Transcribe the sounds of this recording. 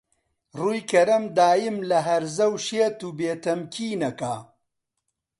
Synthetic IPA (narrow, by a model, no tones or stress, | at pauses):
ruːjkʰɐɾɐmd̪aːjɪmlɐɦɐɾzɐwʃeːt̪uːbeːt̪ɐmkʰiːnɐkaː